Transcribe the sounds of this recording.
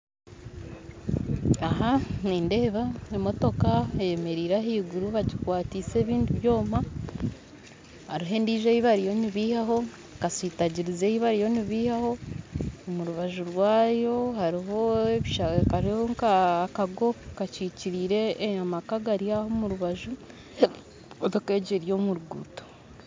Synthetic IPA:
aɦaniːnde̞ːβaemo̞to̞kaejeme̞ɾiːɾaɦiːɡuɾuβaɟikwaːtiːse̞ːβiːndiβjo̞ːma | haɾiɦe̞ːndiːʒeiβaɾijo̞niβiːhaɦo̞ | kasiːtaɟiɾize̞ːhiβaɾijo̞niβiːhaho̞ | muɾuβaʒuɾwaːjo̞haɾiɦo̞eβiʃakaɾioŋkakaɡo̞kaciːciɾiːɾe̞amakaɡaɾiahomuɾuβaʒu | moto̞ke̞ːɟeɾjo̞ːmuɾuɡṵto

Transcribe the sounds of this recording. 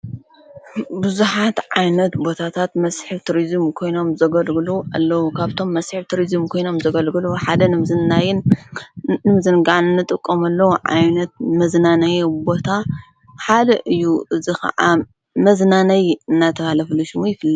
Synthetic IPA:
bɨzuħat̪ʕajnɐt̪bo̞t̪ʰat̪ʰat̪mɐsħɨβt̪ʰuɾizmkʰo̞jno̞mzɐɡɐlɡɨluʔa̰lːɐwukʰaβt̪ʰo̞mːɐsħɨβt̪ʰuɾizɨmkʰo̞jno̞mzɐɡɐlɡɨluħad̪ɐnɨmzɨnːajɪnː | ɨmzɨnɡaʕnɨnːɨt̪ʼɨkʼːomɐlːɐwuʕa̰jnɐt̪̚mɐznanɐjbo̞t̪ʰa | ħad̪ɐʔɨjːuʔɨzikɐ̰ʕa | mɐznanɐjɨnːat̪ʰɐβalɐfɨluʃɪmujɪfɨlːɐ

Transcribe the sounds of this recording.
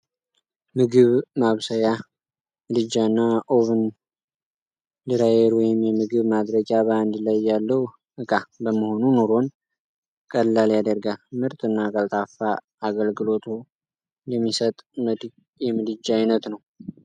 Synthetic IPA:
mɨɡɨβmaβsəja | mɨd̪ɨd͡ʒːanːaʔoβɨn | d̪ɨɾajeɾwɔjɪmjɛmːɨɡɨβmad̪ɾəɡjaβaand̪lajːalːəwu | ɨkʼabəməho̞nunoɾo̞n | kʼəlːaljad̪əɾɡalmɨɾt̪ʼɨnːakʼəlt̪ʼafa | aɡəlɡɨlo̞t̪ʰu | jɛmːisət̪ʼməd̪ | jɛmɨd̪ɨd͡ʒajnət̪nəw

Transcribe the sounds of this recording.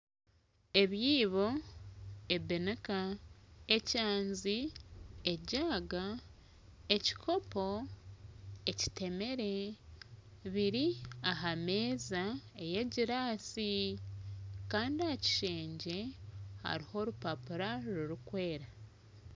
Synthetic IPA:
e̞βjiːβo̞ | e̞benekae̞caːnzi | eɟaːɡa | e̞ci̥kʰo̞po̞ | e̞ci̥te̞me̞ɾe̞ | βiɾiaɦameːzaeje̞ɟiɾaːsi | kaːndiahaci̥ʃe̞ːɲɟe̞ha̰ɾiho̞ɾupapuɾaɾuɾukwe̞ːɾa

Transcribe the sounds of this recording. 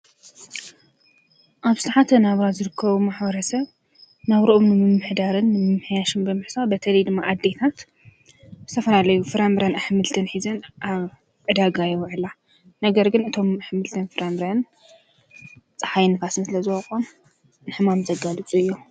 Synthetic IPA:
ʔaβsɨt̪ʰaħat̪ʰɐnaβɾazɨɾɨkʰːɐβumaħbɐɾɐsɐβ | naβɾɐʔomnɨmɨmːɨħd̪aɾɨnːɨmɨmːɨħjaʃɨnbɨmɨħsabɐt̪ʰɐlɐjd̪ɨmːaʔad̪ːe̞t̪ʰat̪ | zɨt̪ʰɐfɐlalɐjufɨɾambɾanaħɨmɨlt̪ʰɨnħizɐnʔaβ | ʕɨd̪aɡajɛwʕɨla | nɐɡɐɾɡɨnɨt̪ʰo̞maħɨmɨlt̪ʰɐnfɨɾambɾan | t͡sʼɐħajnɨfasmɨslɐzɨwɐkʼom | nɨħɨmamzɐɡalɨt͡sʼuɨjːo

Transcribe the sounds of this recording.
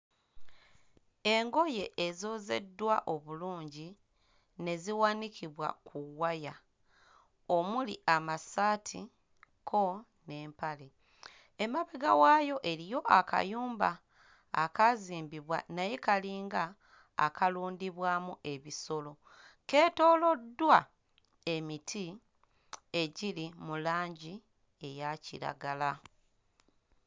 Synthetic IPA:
e̞ŋɡo̞je̞ʔezo̞ːze̞̰dːwaʔo̞βuluːɲɟi | ne̞ziwanikʰiβwa̰kuwaja | o̞muliʔamasaːtʰi | kʰo̞ | ne̞ːmpale̞ | emaβeɡawajo̞ʔe̞ɾijo̞ʔaka̰juːmba̰ː | kaziːmbiβwa̰naje̞kaliːŋɡa̰ː | kaluːndiβwaːmuʔe̞βiso̞lo̞ | ke̞ːto̞ːlo̞dːwa | e̞mitʰi | e̞ɟilimulaːɲɟi | e̞jaciɾa̰ɡala

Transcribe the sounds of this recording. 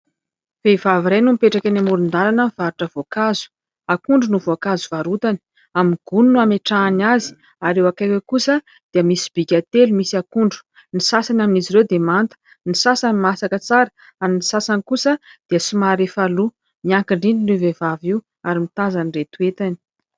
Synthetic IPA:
v̥evaviɾajnumpeʈ͡ʂakanamuɾund̪aɾanəv̥aɾuʈ͡ʂəvokazu̥ | akuɳɖ͡ʐunuvoakazuvaɾut̪ani̥ | amiɡ̥ununuameʈ͡ʂaːnazi̥ | aɾewakajwekusə | d̪̥eəmisi̥b̥ikʲat̪elumisiakuɳɖ͡ʐu̥ | nisasanaminiziɾewd̪emant̪ə̥ | nisasanimasakət͡saɾə̥ | aninisasanikusəd̪̥eəsumaɾefalu | miaŋkiɳɖ͡ʐind̪inuvevaviw | aɾimit̪azaniret̪uet̪ani̥

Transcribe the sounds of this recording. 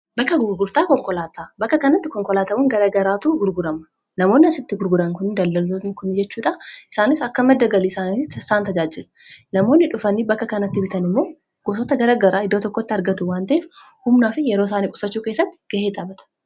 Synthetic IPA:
bɐkːɐɡʊɾɡʊɾt̪aːkɔŋkʼɔlaːt̪aːbɐkːɐkɐnɐt̪ːɪkɔŋkʼɔlaːt̪ɐwɔŋɡɐɾaːɡɐɾaːt̪uɡʊɾɡʊɾɐmɐ̥ | nɐmo̞ːnːɪɐsɪt̪ːɪɡʊɾɡʊɾɐŋkʊnd̪ɐlːɐlːoːnɪkʊnːɪd͡ʒɛt͡ʃːuːᶑɐʔɪsaːnɪsɐkːɐmɛd̪ːɐɡɐlisaːnɪɐsaːnt̪ɐd͡ʒaːd͡ʒɪl | nɐmo̞ːnːɪᶑʊfɐnibɐkːɐkɐnɐt̪ːɪbɪt̪ɐnɪmːo̞ː | ɡ̥oːs̬ɔt̪ɐɡɐɾaːɡɐɾaːɪd̪ːoːt̪ɔkːot̪ːɪɐɾɡɐt̪ʊwaːnt̪ɐeːf | hʊmnaːfɪjɛɾoːs̬aːniːkʼʊ̥sɐt͡ʃːuːkeːsːɐt̪ːɪ̥ɡ̥ɐheːd̪aːbɐt̪ɐ̥

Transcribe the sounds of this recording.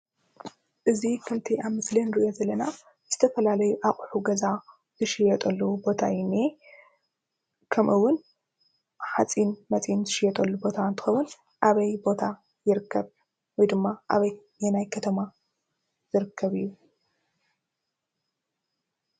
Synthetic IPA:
ʔɨzikʰɨlt̪ʰiʔaβmɨslenɾiʔozɐlːɐna | z̥ɨt̪ʰɐfɐlalɐjuʔakʼħuɡɐza | zɨʃɪjɛt̪ʼɐlːubo̞t̪ʰa̰jɪne | kʰɐmʔɨwːʊn | ħat͡sʼinmɐt͡sʼinzɨʃɪjɛt̪ʼɐlːubo̞t̪ʰant̪ʰɨ̥xɐwːʊn | ʔaβɐjbo̞t̪ʰa | jɪɾɨkʰːɐβ | wɔjd̪ɨmːaʔaβɐj | jɐnajkʰɐt̪ʰɐma | zɨɾɨkʰːɐβɨjːu

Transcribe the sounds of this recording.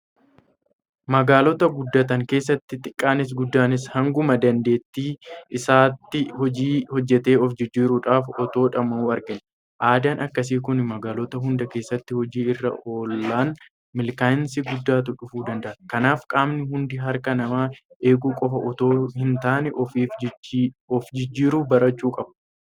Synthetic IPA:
mɐɡaːlɔt̪ɐɡʊd̪ːɐt̪̬ɐŋke̞ːsːɐt̪ːɪt̪ʼɪkʼːaːnɪs̬ɡʊd̪ːaːnɪs̬hɐŋɡʊmɐd̪ɐnd̪e̞ːt̪ːiːʔɪsaːt̪ːɪhɔd͡ʒiːhɔd͡ʒːɛt̪e̞ːɔfd͡ʒɪd͡ʒːiːɾuːᶑaːfɔt̪o̞ːᶑɐmɐmuːɐɾɡɪn | ʔaːd̪aːnʔɐkːɐs̬iːkʊnmɐɡaːlɔt̪ɐɦʊnd̪ɐke̞ːsːɐt̪ːɪhɔd͡ʒiːɪrːɐ̰o̞ːlːaːn | mɪlkaːɪnsɪɡʊd̪ːaːt̪ʊᶑʊfuːd̪ɐnd̪ɐʔɐkɐnaːfkʼaːmnɪɦʊnd̪ɪɦɐɾkɐnɐmaː | ʔe̞ːɡuːkʼɔfɐʔɔt̪oːhɪnt̪aːnɛʔɔfiːf | ɔfd͡ʒɪd͡ʒːiːɾuːbɐɾɐt͡ʃːuːkʼɐb̚

